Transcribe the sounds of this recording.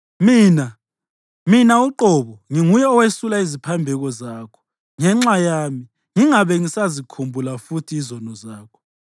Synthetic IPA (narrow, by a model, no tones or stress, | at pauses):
miːna | minauǃɔβɔŋiŋujɛɔwesulaizipʰambʱɛɣɔzaːkʰɔ̥ | ŋɛŋ͡ǁajaːmi | ŋiŋaβɛŋisazikʰumbʱulafutʰiːzɔnɔzaːkʰɔ̥